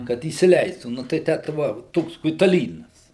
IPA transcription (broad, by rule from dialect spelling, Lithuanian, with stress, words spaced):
kɐt iːsʲɪˈlʲɛɪstuː nʊ tɐɪ ˈtʲæː tɐɪ ˈʋɐ ˈtoːks kʊɪtɐˈlʲiːnɐs